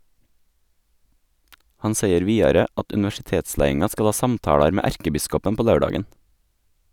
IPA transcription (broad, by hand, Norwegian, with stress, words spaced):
ˈhɑn ˈseɪəɾ ˈʋiːɑɾə ˈɑt ʉnɪʋæʃɪˈteːtˌslæɪɪŋɑ ˈskɑl ˈɑː ˈsɑmtɑːɽɑɾ ˈmeː ˈæɾkəˌbɪskɔpən ˈpoː ˈlɑʉˌɖɑːɡən